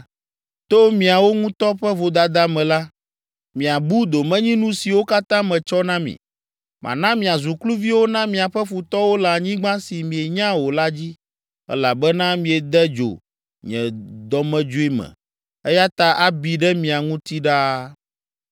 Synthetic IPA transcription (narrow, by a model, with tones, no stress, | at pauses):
t̪o˦mĩ˨a˨wo˦ŋũ˦t̪ɔ˦ɸɛ˦vo˨d̪a˨d̪a˦mɛ̃˨la˦ | mĩ˨a˨bu˦d̪o˨mɛ̃˦ɲĩ˦nũ˦si˨wo˦ka˦t̪ã˦mɛ̃˨t͡ʃɔ˦nã˦mḭ̃˨ | mʔã̰˨nã˦mĩ˨a˨zu˨klu˦vi˦wo˦nã˦mĩ˨a˨ɸɛ˦fu˨t̪ɔ˦wo˦la˨ɲĩ˦ɡ͡bã˦si˨mĩ˨e˨ɲã˦wo˨la˦d͡ʑi˦ | ɛ̰˦la˨bɛ˦nã˦mĩ˨ɛ˨d̪ɛ˦d͡ʒo̰˨ | ɲɛ̰̃˨d̪ɔ˨mɛ̃˨d͡ʒo˦i˦mɛ̰̃˨ | ɛ˦ja˦t̪a˨ʔa˨bi˨ɖɛ˦mĩ˨a˨ŋũ˦t̪i˦ɖa˦